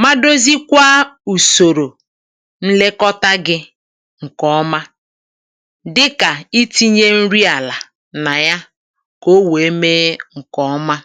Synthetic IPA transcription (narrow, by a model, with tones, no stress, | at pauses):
ma˦do˦zi˦kʷa˦u˨so˨ɾo˨ | n̩˦le˦kɔ˦ta˦ɡɪ˦ | ŋ̩˨kɔ˦ma˦ | dɪ˦ka˨i˦ti˦ɲe˦n̩˦ɾi˦a˨la˨ | na˨ja˦ | ko˦we˨e˦meː˦ŋ̩˨kɔ˦ma˦